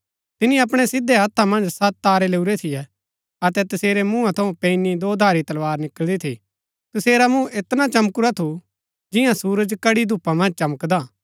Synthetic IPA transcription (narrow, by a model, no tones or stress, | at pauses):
t̪ɪnĩɐp̬ɽ̃ɛsɪd̪eɦɐt̪ʰːamɐ̃nd͡ʒsɐt̪ːaːɾeleːuɾɛt̪ʰɪjɛ | ɐt̪ɛt̪ɐseːɾemũːãt̪ʰɐũpẽɪnid̪oːd̪ʱaːɾit̪ɐlʋaːɾnɪkəld̪it̪ʰḭ | t̪ɐseːɾamũet̪nat͡ʃɐmkʊɾat̪ʰu | d͡ʒɪjãsuːɾəd͡ʒkɐɽid̪ʱuːpamɐ̃nd͡ʒt͡ʃɐməkd̪aː